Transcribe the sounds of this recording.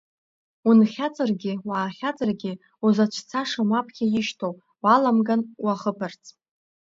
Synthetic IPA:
unχʲat͡sʼarɡʲɪwaːχʲat͡sʼarɡʲɪ | uzat͡ʃʷʰt͡sʰaʂamapʰkʲʰajɪʃtʰow | walamɡanwaχəpʰart͡sʰʼ

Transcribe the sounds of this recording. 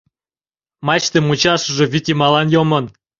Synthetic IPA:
mɑt͡ɕt̪emut͡ɕɑʃə̆ʒĕvʲit̪ʲimɑlɑnjomən

